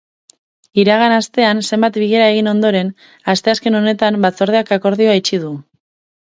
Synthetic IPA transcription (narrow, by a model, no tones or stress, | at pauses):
iɾaɣanast̪e̞anse̞mbat̪biɣe̞ɾae̞ɣino̞nd̪o̞ɾe̞n | ast̪e̞aske̞no̞ne̞t̪ambat͡so̞ɾð̞e̞akako̞ɾðioait͡ʃið̞u